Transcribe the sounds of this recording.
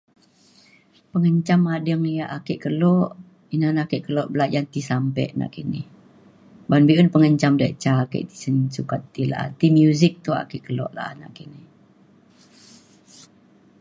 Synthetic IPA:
pəŋəɲt͡ʃamadəŋjaʔakiʔkəlɔʔ | inanakiʔkəlɔʔbəlad͡ʒant̪isampɛ̰ʔna̰ʔkinɪ̰h | banbiʔunpəŋəɲt͡ʃamdaʔt͡ʃakə̰ʔt̪i̥sənsukat̪ːila̰t̪imjuzɪk̚t̪ua̰kiʔkəlɔ̰ʔla̰ʔna̰ʔkinɪh

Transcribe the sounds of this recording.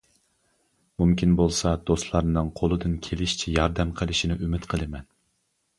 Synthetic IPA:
mumkʲinbolˠsɑd̪̥ost̪lˠɑɾnɨŋqʰolˠɨd̪ɨnkʲʰelɪʃt͡ʃʰijɑɾd̪ɛmqʰəlˠɪʃinɪʔymɪt̪qʰəlˠɨmɛn

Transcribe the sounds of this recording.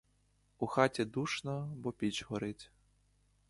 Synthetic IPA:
uxat͡sʲɛd̪uʂnɔbɔpʲit͡ʃɣɔɾɪt͡sʲ

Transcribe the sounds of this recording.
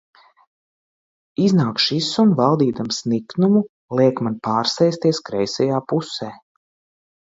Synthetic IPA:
iznaːkʃisumvalˠd̪iːd̪amsniknumu | lˠiɛkmanpaːɾsɛjst̪iɛskɾɛjsɛjaːpusɛː

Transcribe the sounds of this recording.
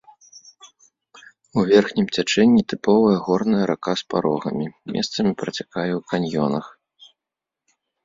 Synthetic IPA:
uvʲɛrxnʲimt͡sʲat͡ʂɛnʲːit̪ɨpɔvɐjɐɣɔrnɐjɐɾakaspa̰ɾɔɣɐ̰mʲimʲʔɛ̰st̪sɐmʲipɾɐt͡sʲakajɛwkanʲjɔ̰nɐx

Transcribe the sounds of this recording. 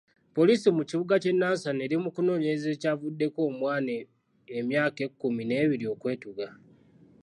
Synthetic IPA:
po̞liːsimuciβuɡace̞nːaːnsane̞ɾimukuno̞ːɲeze̞ːcavudːe̞ko̞ːmwaːneː | mjaːke̞kːumine̞ːβiɾio̞kwe̞ːtuɡa

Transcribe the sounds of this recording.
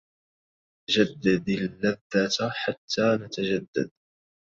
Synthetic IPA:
ad͡ʒad̪ːad̪alːaðːat̪ħat̪ʰːaːnat̪ad͡ʒad̪ːa̰d̪̚

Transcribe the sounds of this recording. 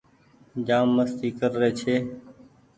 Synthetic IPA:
d͡ʒaːmːəst̪iːkəɾːeːt͡ʃʰeː

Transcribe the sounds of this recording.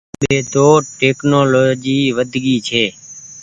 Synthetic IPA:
ɓeːt̪oːʈeːknoːloːd͡ʒiːʋəd̪ʱɡiːt͡ʃʰeː

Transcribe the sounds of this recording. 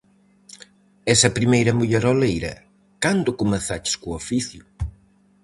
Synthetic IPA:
ɛsɐpɾimejɾɐmuʎɛɾolejɾɐ̰ | kand̪ʊkʊmeθat͡ʃɪ̥skuofiθjʊ

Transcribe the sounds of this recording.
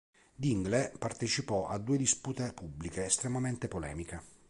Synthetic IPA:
d̪iŋɡlepart̪et͡ʃipɔʔad̪ːuːed̪isput̪epubːlikeːst̪ɾemament̪epolɛ̰ːmike

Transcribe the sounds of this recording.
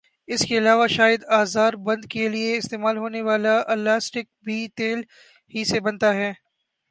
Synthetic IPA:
ɪskeɐlaːʋaʃaːjɪd̪aːzaːɾbɐ̃nd̪kelieɪst̪eːmaːlɦoːneʋaːlaʔɐlːaːsʈɪk̚bʱiːt̪eːl | hisebɐnt̪aɦɛː

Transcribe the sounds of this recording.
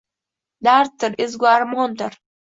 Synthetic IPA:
d̪aɾt̪ːəɾɪzɡaɾmɔnd̪əɾ

